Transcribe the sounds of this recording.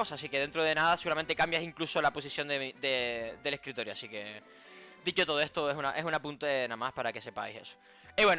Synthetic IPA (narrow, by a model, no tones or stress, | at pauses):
osaːs̬ike̞ðe̞nt̪ɾoð̞e̞naðaseɣuɾament̪ekambjasiŋkluso̞lapo̞s̬isjo̞nd̪eid̪ed̪e̞lehkɾit̪o̞ɾjoa̰sike̞ | d̪it͡ʃo̞t̪oðoeht̪oe̞sunaʔe̞sunapunt̪enãmahpaɾake̞se̞pa̰jse̞̰so̥ | iβwen